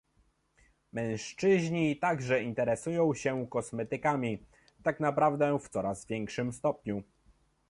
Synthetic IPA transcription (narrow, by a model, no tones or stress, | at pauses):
mɛ̃w̃ʂt͡ʂɘʑɲit̪aɡʐɛint̪ɛɾɛsujɔ̃w̃ɕɛkɔsmɛt̪ɘkamʲi | t̪aknapɾavd̪ɛft̪sɔɾazvʲjɛŋkʂɘmst̪ɔpɲu